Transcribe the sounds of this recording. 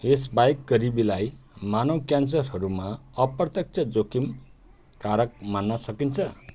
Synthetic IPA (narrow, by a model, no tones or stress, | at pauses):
esbajkɡʌɾibilaj | manʌwkjans̬ʌrɦʌɾumaʌprʌt̪jʌk̚t͡sʰʌd͡zokim | kaɾʌk̚manːʌsʌkint͡sʰʌ